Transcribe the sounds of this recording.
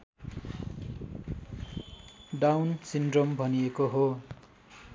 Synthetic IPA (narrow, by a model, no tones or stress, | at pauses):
ɖawnsinɖrombʱʌniekoɦo